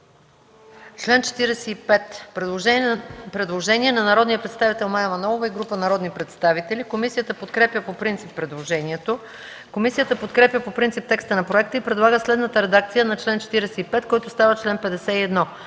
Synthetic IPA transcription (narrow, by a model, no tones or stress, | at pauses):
t͡ʃlɛnt͡ʃɛ̥t̪iɾɛsɛipɛt̪pɾɛd̪lˠoʒɛpɾɛd̪lˠoʒɛniɛnɐnɐɾɔd̪nijəpɾɛt̪st̪avit̪ɛlˠmajɐmɐnɔlˠovəiɡɾupənɐɾɔd̪nipɾɛt̪st̪avit̪ɛlʲikomisijət̪əpot̪kɾɛpʲjəpopɾint̪sipːɾɛd̪lˠoʒɛniɛt̪o | komisijət̪əpot̪kɾɛpjʲəpopɾint̪ip̚t̪ɛkst̪ənɐpɾoɛk̚t̪əipɾɛd̪lˠaɡəslɛd̪nət̪əɾɛd̪akt̪sijənɐt͡ʃlɛnt͡ʃɛ̥t̪iɾɛsɛipɛt̪kɔjt̪ʊst̪avət͡ʃlɛnpɛd̪ɛsɛiɛd̪nɔ